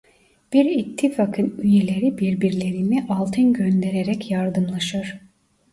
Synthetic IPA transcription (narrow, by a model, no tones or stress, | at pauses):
b̥iɾit̪ʰːifakʰɯnyjelʲe̞ɾibiɾbiɾlʲe̞ɾiniʔalˠt̪ʰɯnɟønd̪e̞ɾeɾɛcjaɾd̪ɯmlˠaʃɯɾ̥